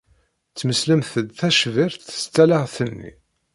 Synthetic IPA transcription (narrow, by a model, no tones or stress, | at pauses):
t͡sːməsləmθəd̪θæʃvɪɾθə̥st͡s̪ːælaʁθənːḭ